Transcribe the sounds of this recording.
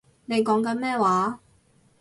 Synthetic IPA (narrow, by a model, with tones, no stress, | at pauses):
ne˨˧jkɔː˨˥ŋkɐ˨˧˥nmɛː˥˩waː˨˥